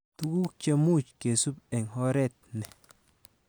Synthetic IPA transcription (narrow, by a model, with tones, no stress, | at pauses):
tu˦ku˦k̚t͡ʃe˦mu˦˨t͡ʃke˨su˦pe˨ŋɦɔ˦ɾɛ˦˨t̪̚ne˨